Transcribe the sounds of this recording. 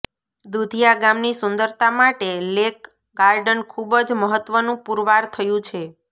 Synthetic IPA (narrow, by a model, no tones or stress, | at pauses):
d̪ud̪ʱijaɡamnisʊnd̪əɾt̪amaʈelek | ɡaɾɖənkʰubəd͡ʒməɦət̪ʋənũpuɾʋaɾt̪ʰəjũt͡ʃʰe